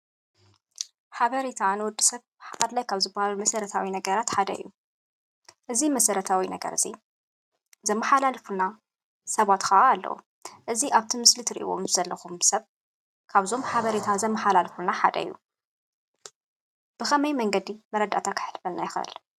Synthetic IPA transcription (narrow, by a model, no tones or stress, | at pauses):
ħaβɐɾet̪ʰanɨwʊd̪ːisɐβ | ħaad̪lajkʰaβzɨbːahallumɐsɐɾɐt̪ʰawinɐɡɐɾat̪ħad̪ɐ̰ijːu | ʔɨzimɐsɐɾɐt̪ʰawinɐɡɐ̰ɾzi | zɐmːɐħalalfuna | sɐβat̪kʰɐʔaːlːɐ̰wṵ | ʔɨziʔaβt̪ʰimɨslit̪ʰɨɾiʔḭβo̰mzɨzɐlːɐxumsɐβ | kʰaβzo̞mħaβɐɾet̪ʰazɐmːɐħalalfulnaħa̰d̪ɐ̰jːṵ | b̥ɨxɐmɐjmɐŋɡɐd̪imɐɾɐd̪ːa̰t̪ʰakʰɨ̥ħɨ̥lfɐlnajɪxʔɨ̰l